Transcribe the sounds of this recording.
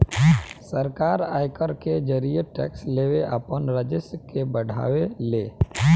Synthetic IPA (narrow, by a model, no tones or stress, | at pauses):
səɾkaːɾaːjkəɾked͡ʒəɾijeʈɛ̰ːksleːweʔaːpənɾad͡ʒɪskebəɽ̤ʱa̰ːʋeleː